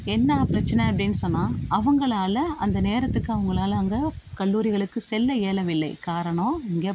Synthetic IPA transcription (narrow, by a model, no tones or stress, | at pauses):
ɛnːɐpɪɾɐt͡ʃːɐnɐɐp̬ːɐɽɪnːɯsɔnːaːɐʋɐŋɡɐɭaːlɐɐnd̪ɐneːɾɐt̪ːɯkːɯɐʋɐŋɡɐɭaːlɐɐŋɡɐ | kɐɭːuːɾɪɣɐɭɯkːɯsɛlːɐeːlɐʋɪlːɐɪkaːɾɐɳõɪŋɡeː